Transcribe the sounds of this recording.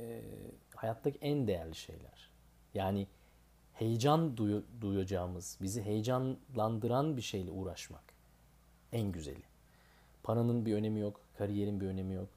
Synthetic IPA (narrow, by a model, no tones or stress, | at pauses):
ɛ̰hajat̪ʰːacʰiʔænd̪e̞jæɾlʲiʃe̞̰jlʲæ̰ɾ̥ | jaːnɪ | he̞jd͡ʒand̪ujd̪ujad͡ʒaːmɯz̥biziɦe̞jd͡ʒanlˠand̪ɯɾanbiʃe̞jlʲɛuːɾaʃma̰k | ænɟyzḛlʲɪ | pʰaɾanɯnbiø̞ne̞mijokkʰaɾije̞ɾinbiø̞ne̞mijok